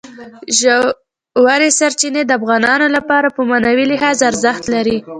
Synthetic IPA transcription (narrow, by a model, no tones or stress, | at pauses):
ʒ | waɾesaɾt͡ʃined̪əafɣɑnɑnolapɑɾapəmanawilɪɦɑzaɾzaxt̪laɾi